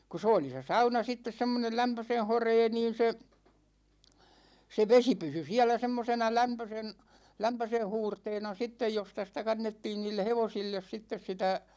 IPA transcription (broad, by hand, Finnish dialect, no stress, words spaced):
ku s oːli se sɑunɑ sitːes semːonel læmpøsen̞ horeː niːn̞ se se ʋesi pysy siælæ semːosenɑ læmpøsen læmpøsen̞ huːrteːnɑ sitːej jostɑ sĭtæ kɑnːetːiːn niːlːe heʋosilːes sitːes sitæ